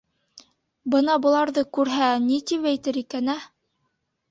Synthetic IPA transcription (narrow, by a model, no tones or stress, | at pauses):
bɤnɑbɤ̆lˠɑɾðɤkʉɾɦænit̪ipæjt̪ɘɾikænæ